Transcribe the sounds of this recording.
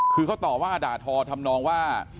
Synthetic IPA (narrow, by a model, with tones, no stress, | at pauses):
kʰɯː˧kʰa˥˩t̪ɔː˨˩p̚waː˥˩ʔa˧daː˨˩t̪̚ʰɔː˧t̪ʰa˧mnɔː˧ŋwaː˥˩